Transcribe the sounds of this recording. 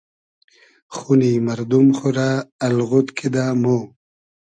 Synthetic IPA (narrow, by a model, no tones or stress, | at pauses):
χunimaɾd̪umχuɾaːlɣut̪kʰid̪amo